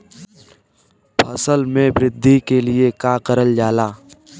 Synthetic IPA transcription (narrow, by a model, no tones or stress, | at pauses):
pʰəsəlmẽbɾɪd̪ʱːikeliekaːkəɾəld͡ʒaːlaː